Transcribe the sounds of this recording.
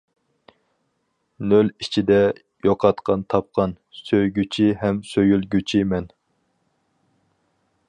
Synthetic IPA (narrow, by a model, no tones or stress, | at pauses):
nølit͡ʃʰid̪ɛ | joqʰɑt̪qʰɑnt̪ʰɑp̚qʰɑn | søjɡʲyt͡ʃʰiɦɛmsøjylɡʲyt͡ʃʰimɛn